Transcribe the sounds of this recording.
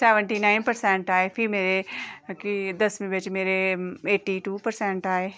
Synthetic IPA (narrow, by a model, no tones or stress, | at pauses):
sɛːʋə̃ɳʈinaːɪnpɐɾsɛ̃ɳʈaːefʰiɾmeːɾekid̪ɐsmĩbɐt͡ʃmeːɾeeːʈːiʈuːpɐɾsɛ̃ɳʈaːe